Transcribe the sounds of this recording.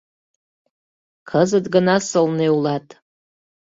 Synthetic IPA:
kʰəzɨdɡanasɨlnewlatʼ

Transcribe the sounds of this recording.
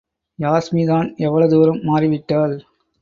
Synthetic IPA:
jaːsmiðaːnɛʋːɐɭɐðɯʋɐɾɯmːaːrɪʋɪʈːaːl

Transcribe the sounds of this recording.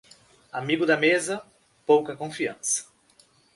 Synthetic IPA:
amiɡʊd̪ɐmezɐ | powkɐkõfiɐ̰̃sɐ̥

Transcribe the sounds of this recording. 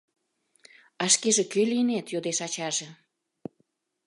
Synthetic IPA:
ɑʃkeʒĕkøliənet̪jod̪eʃɑt͡ɕɑʒe

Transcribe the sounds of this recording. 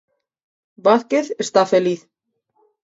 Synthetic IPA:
vaðcɪðɛ̥st̪afɛliθ

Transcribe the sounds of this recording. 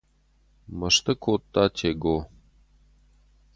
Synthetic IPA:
mɐʂt̪ʰɨkʰot̪ːatʰeɡo

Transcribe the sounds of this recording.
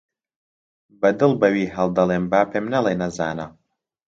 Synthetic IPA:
bɐd̪ɨlˠbɐwiːɦɐlˠd̪ɐlˠeːmbaːpʰeːmnɐlˠeːnɐzaːnɐ

